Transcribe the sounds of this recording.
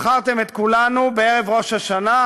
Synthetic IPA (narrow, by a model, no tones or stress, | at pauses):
χaʁt̪e̞met̪kulanubeeʁe̞vʁo̞ʃhaʃana